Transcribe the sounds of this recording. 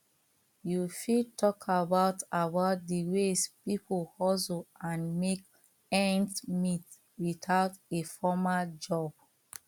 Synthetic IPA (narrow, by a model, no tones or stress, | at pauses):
jufitʰɔkʰabaʊtabaʊt̚diwespipʰoɔsoãnmek | ɛ̃ntmit | witaʊtefɔmad͡ʒɔb̥̚